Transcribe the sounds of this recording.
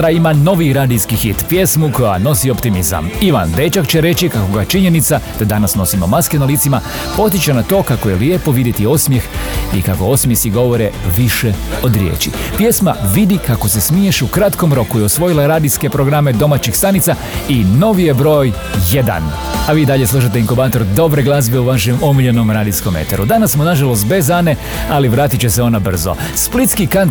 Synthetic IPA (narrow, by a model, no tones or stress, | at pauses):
ɾaimano̞ʋiɾaːd̪iskixit̪pje̞smuko̞jano̞siopt̪imiza̰miʋa̰nd̪et͡ʃakt͡ɕe̞ɾe̞t͡ɕikakoɡat͡ʃiɲe̞nit̪sad̪̥ad̪anasno̞simo̞maske̞nalit̪sima | po̞t̪̬it͡ɕanat̪o̞ːkakoje̞lije̞po̞ʋid̪jet̪io̞smje̞xḭkako̞o̞smjesiɡo̞ʋo̞ɾeʋiʃeo̞d̪ɾjḛːt͡ɕḭpje̞sma̰ʋid̪ikako̞se̞smieʃukɾat̪ko̞mɾo̞kuiosʋo̞jilaɾaːd̪iske̞pɾoɡɾame̞d̪o̞mat͡ɕixst̪anit̪sa | ino̞ʋije̞bɾo̞ːj | jed̪a̰n | aʋiːd̪aʎe̞slˠuʃ̬at̪eiŋkobaːt̪o̞ɾd̪o̞bɾeɡlˠazbeuʋaʃemomiʎeno̞mɾaːd̪isko̞mḛt̪aɾud̪anasːmonaʒalˠos̬t̪̚be̞zaːne̞ | aliʋɾaːt̪it͡ɕeseo̞nabr̩zo̰split̪skikant̪